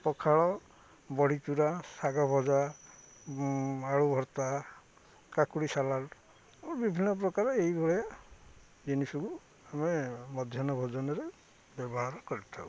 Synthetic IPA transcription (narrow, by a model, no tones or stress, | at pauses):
pɔkʰaɭɔ | bɔɽ̤it͡ʃuɾasaɡɔbʱɔd͡ʒa | aɭubʱɔɾt̪a | kakuɽisalal | abibʱinːɔp̬ɾɔkaɾɔejbʱɔɭɔja | d͡ʒinisuku | amemɔd̪ʱjɔnɔbʱɔd͡ʒɔnɔɾe | bjɔbɔɦaɾɔkɔɾit̪ʰa̰w